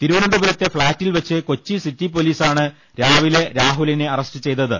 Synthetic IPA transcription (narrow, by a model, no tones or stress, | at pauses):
t̪iɾuʋɐnɐd̪ubɐɾɐt̪ːe̞fɭaːtːilʋɐt͡ɕːɨko̞t͡ɕːisitːip̬oliːsaːɳɨ | ɾaːʋile̞ɾaːɦulineɐrɐsʈɨt͡ɕe̞jt̪ɐðɨ̰